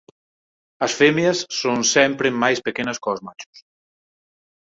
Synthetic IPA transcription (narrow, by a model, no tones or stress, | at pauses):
ɐsfemjɐsːonsɛmpɾemajspekenɐskozmat͡ʃu̥s